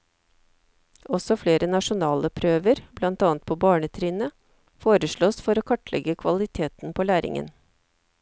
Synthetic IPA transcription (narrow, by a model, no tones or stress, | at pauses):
ʔɔsɔfleːɾʔənɑʂʊnɑːlʔəpʰɾøːʋəɾblɑnt̪ɑːnt̪̚pʰoːbɑːɳət̪ʰɾiːnə | foːɾəʂɭoːsfɔɾoːkʰɑʈlʔɛ̰ɡəkʰʋɑlɪt̪ʰeːt̪n̩pʰoːlæːɾɪ̰ŋə̰n